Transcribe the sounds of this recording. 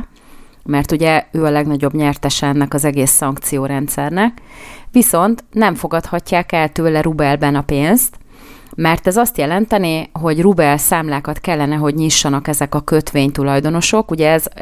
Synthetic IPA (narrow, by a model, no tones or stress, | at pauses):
mɛrt̪uɟɛøːɒlɛɡnɒɟo̞bɲɛrt̪ɛʃɛɛnːɛkɒzɛɡeːsːɒŋkt̪sijoːɾɛnt̪sɛrnɛkʋiso̞nt̪nɛɱfo̞ɡɒt̪hɒcːaːkɛlt̪øːlɛɾubɛlbɛnɒpeːnst̪ | mɛrt̪ɛzɒst̪jɛlɛnt̪ɛneɦo̞ɟrubɛlsaːmlaːkɒt̪kɛlːɛnɛɦo̞ɟɲiʃːɒnɒkɛzɛkɒkø̞t̪ʋeːɲt̪ulɒjd̪o̞no̞ʃo̞kuɟɛɛz